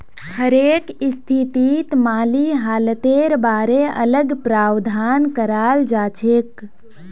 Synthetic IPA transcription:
həɾeːkɪst̪ʰit̪iːt̪maːliɦaːlət̪eːɾbaːɾeɐ̰ləɡpɾaːwd̪ʱaːnkəɾaːld͡ʒaːt͡ʃʰeːk

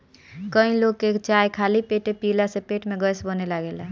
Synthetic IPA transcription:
kəĩloɡ̚ket͡ʃajkʰalipeʈepilasepeːʈmeɡəsbənelaɡelɛɦ

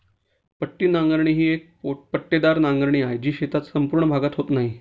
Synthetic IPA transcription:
pəʈːiːnaŋɡəɾɳiːɦiːek̚opəʈːed̪aɾnãŋɡəɾɳ̃iːajd͡ʑiːɕet̪at͡ssəmpuɾɳəbʱaɡat̪ɦot̪naɦi

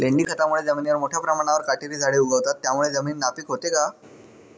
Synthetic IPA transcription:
leɳɖiːkʰət̪amuɭed͡zəminiʋəɾmoʈʰjapɾəmaɽ̃aʋəɾkaʈiɾiːd͡zʱaɭeuɡəʋt̪at̪ːjamuɭed͡zəmiːnːapiːkɦot̪eka

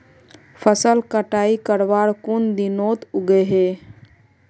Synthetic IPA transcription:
pʰəsəlkəʈaikəɾbaɾkund̪inot̪ʊɡeɦe

